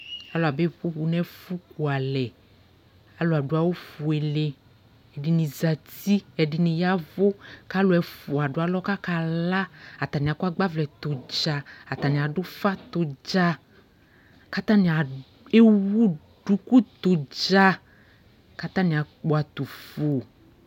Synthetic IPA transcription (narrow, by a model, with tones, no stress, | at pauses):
a˦lo˨a˨be˦ɸu˦ɸu˨nɛ˦fu˦k̚u˨a˨lɛ˨ | a˦lo˨a˨ɖu˨˦a˨wo˦fu˨e˨le˨ | ɛ˨ɖi˨nĩ˨za˨t̪i˦ɛ˨ɖi˨nĩ˨ja˦vo˦ka˦lo˨˦ɛ˨fu˨a˨ɖʊ˨˦a˨lɔ˦ka˦ka˨la˦a˨t̪a˨nĩ˨a˨kɔ˦a˦ɡ͡ba˦vlɛ˨t̪ʊ˨d͡ʒa˨a˨t̪a˨nĩ˨a˨ɖʊ˦fa˦t̪ʊ˨d͡ʒa˦ | ka˦t̪ã˦nĩ˨a˨ | e˦wu˦ | ɖu˨˦ku˦t̪o˨d͡ʒa˦ | ka˦t̪ã˦nĩ˨a˨k͡po˨˦a˨t̪u˨fo˨